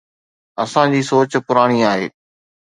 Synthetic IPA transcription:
ɐsãd͡ʑiːsoːt͡ɕ̆pʊɾaːɽ̃iaːɦḛː

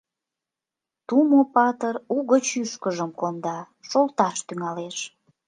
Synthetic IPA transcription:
t̪umopɑt̪əruɣət͡ɕyʃkəʒəmkond̪ɑ | ʃolt̪ɑʃt̪yŋɑleʃ

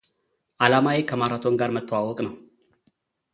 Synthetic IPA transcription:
ʔalamawekʰəmaɾat̪ʰoŋɡaɾmət̪ʰːəwawɔkʼnəw

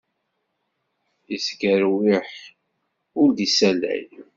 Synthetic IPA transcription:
isɡəɾwiħ | ʊɾd̪isælæ̰j

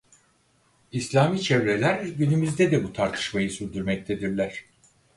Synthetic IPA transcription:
islʲaːmiːt͡ʃʰɛvɾelʲæɾɟynymyzd̪ɛd̪ɛbut̪ʰaɾt̪ʰɯ̥ʃmajɯsyɾd̪yɾmɛc̚t̪ʰed̪iɾlʲæɾ̝̥

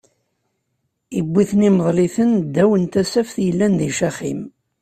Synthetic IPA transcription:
ibːiθniməðˤliθənd̪ːæwənt̪æsæfθjəlːænðiʃæχim

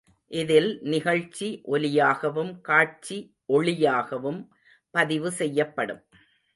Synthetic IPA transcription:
ʔɪðɪlnɪɣɐɻt͡ʃiʔɔlɪjaːɣɐʋɯmkaːʈt͡ʃi | ʔɔɭɪjaːɣɐʋɯm | pɐðɪʋɯsɛjːɐpːɐɽɯm

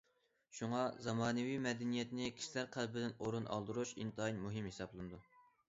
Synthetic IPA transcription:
ʃuŋɑzɑmɑːnɨwimɛd̪ɛnijɛt̪nɪkʲʰi̥ʃilæɾqʰælˠbɪd̪ɪnoɾunɑ̰lˠd̪ɨɾuʃint̪ɨinmuɦimhesɑblˠɨnɨd̪u

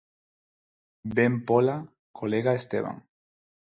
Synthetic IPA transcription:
bempola | kʰoleɣaest̪eβ̞a̰ŋ

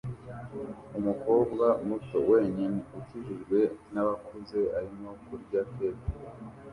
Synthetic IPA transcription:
umuko̞ːbɡamuto̞̰we̞ːɲiniuciʒiʒɡwe̞naβakuze̞aɾimo̞kuɾɟapete

